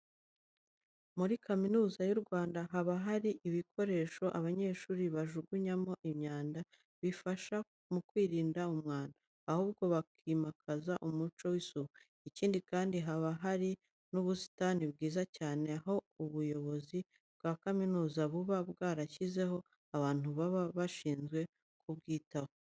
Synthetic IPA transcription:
muɾikaminuːzajuɾɡwaːndaɦaβaɦaɾiʔiβikʰo̞ɾe̞ːʃo̞ʔaβaɲe̞ːʃuːɾiβaʒuɡuɲamo̞ʔimɲaːnda | βifaʃa | mukwiːɾiːndaumŋaːndaːhuːbɡo̞βakʰimakʰazaʔumut͡ʃo̞wisuβu | iciːndikaːndiɦaβaɦaɾi | nuβusi̥taniβɡiːzacaːne̞aɦo̞uβujo̞βo̞zi | bɡaːkaminuːzaβuβabɡaːɾaçize̞ho̞ | aβaːn̥huβaβaβaʃiːnzɡwe̞ | kʰubɡiːtaho

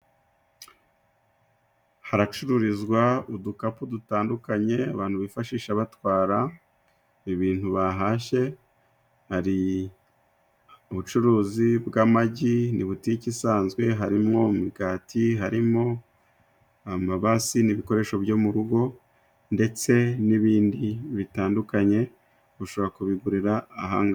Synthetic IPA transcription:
haɾat͡ʃuɾuɾizɡwaudukapudutaːndukaɲe̞a̰βaːnhuβifaʃiːʃaβatwaːɾa | iβiːn̥huβaɦaːʃe̞ | haɾi | uβut͡ʃuɾuːzibɡamaɟiniβuticisaːnzɡwe̞ɦaɾimŋo̞miɡaːtʰiɦaɾimo̞ | amaβasiniβiko̞ɾe̞ːʃo̞βjo̞muɾuɡo̞ | nde̞t͡se̞niβiːndiβitaːndukaɲe̞ | βuʃo̞βɾakuβiɡuɾiɾaːɦa̰ːŋɡa

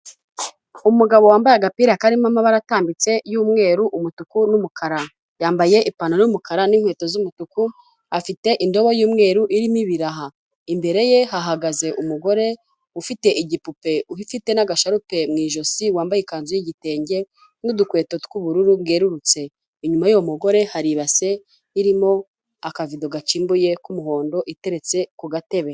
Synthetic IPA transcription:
umuɡaβo̞waːmbajaɡapiɾakaɾimamaβaɾataːmbit͡se̞juːmŋe̞ːɾuʔumutukunumukʰaɾa | jaːmbaje̞ʔipanaumukaɾaniŋ̥we̞ːto̞zumutuku | afite̞ʔindo̞βojuːmŋe̞ːɾuʔiɾimiβiɾaɦa | imbe̞ɾe̞je̞ɦaɦaɡaze̞ʔumuɡo̞ɾe̞ | ufite̞ʔiɟipupe̞uhifite̞naɡaʃaɾupe̞mŋiːʒo̞siwaːmbajikaːnzujiɟite̞ːɲɟe̞ | nudukwe̞ːtotkuβuɾuɾubɡe̞ːɾuɾut͡se̞ | iɲumajujomuɡo̞ɾe̞haɾiβase̞ | iɾimo̞ | akavido̞ɡat͡ʃiːmbuje̞kumuɦo̞ːndo̞ʔite̞ɾet͡se̞kuɡate̞βe

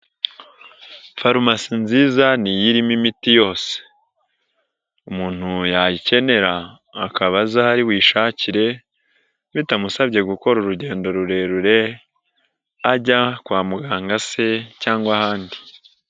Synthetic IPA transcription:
faɾumasinziːzanijiɾimimitijo̞ːse̥ | umuːn̥hujajice̞ne̞ɾaː | kaβazahaɾiwiːʃaciɾe̞ | βitamusaβɟe̞ɡuko̞ɾuɾuɟe̞ːndo̞ɾuɾe̞ɾuɾe̞ | aɟakwaːmuɡaːŋɡase̞caːŋɡwahaːndi

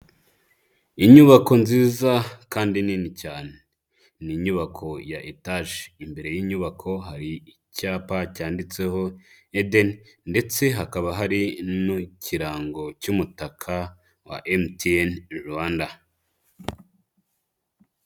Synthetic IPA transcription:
iɲuβako̞nziːzakaːndininicaːne | niɲuβakʰo̞jaʔetaʒimbe̞ɾe̞jiɲuβakʰo̞ɦaɾiː | caːpacaːndit͡se̞ho̞ | edennde̞t͡se̞ɦakaβaɦaɾinucʰiɾaːŋɡo̞cumutakʰa | wa̰ʔemtienɾuanda

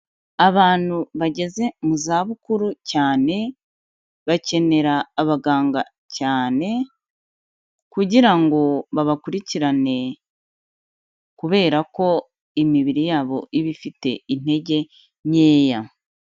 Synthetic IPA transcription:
aβaːn̥huβaɟe̞ze̞muzaːβukuɾucaːne̞ | βace̞ne̞ɾaːβaɡaːŋɡa | caːne̞ | kuɟiɾaŋɡo̞βaβakuɾiciɾane̞ | kuβe̞ːɾako̞ | imiβiɾijaːβo̞iβifite̞̰in̥e̞ɟe̞ | ɲe̞ːja

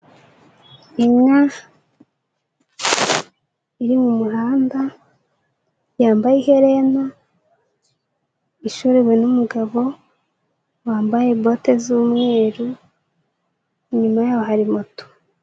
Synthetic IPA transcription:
iɲɲa | iɾimumuɾaːnda | jaːmbajeheɾe̞na | iʃuɾewe̞numuɡaβo̞ | waːmbaje̞bo̞te̞zuːmŋe̞ːɾu | ɲumajaːwo̞ɦaɾimuto̥

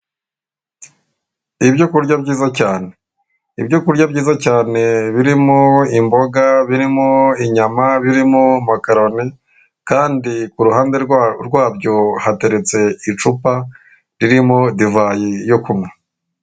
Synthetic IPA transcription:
ibɟokuɾɟabɟiːzacaːne̞ | ibjokuɾɟabɟiːzacaːne̞βiɾimoimbo̞ɡaβiɾimoiɲamaβiɾimomakaɾo̞ne | kaːndikuɾuhaːndeɾɡwaːbɟo̞hate̞ɾe̞t͡se̞it͡ʃupa | ɾiɾimo̞divaːjejokumŋwe

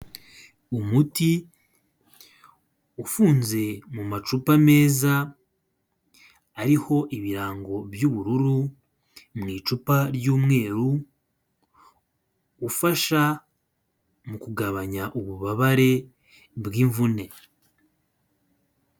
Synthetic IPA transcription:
umuti | ufuːnze̞mumat͡ʃupame̞ːza | ɾiho̞ʔiβiɾaːŋɡo̞bjuːβuɾuɾu | mŋiːt͡ʃupaɾjuːmŋe̞ːɾu | faʃa | mukuɡaβaɲaʔuβuβaβaɾe̞ | bɡiːɱvune̞

